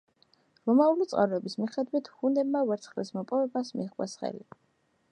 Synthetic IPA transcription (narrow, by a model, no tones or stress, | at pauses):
ɾɔmaulit̪sʼqʼa̰ɾɔɛbismiχɛd̪wit̪ʰχund̪ɛbmavɛɾt̪sʰχlismɔpʼɔvɛbasmḭqʼwɛsχɛ̰li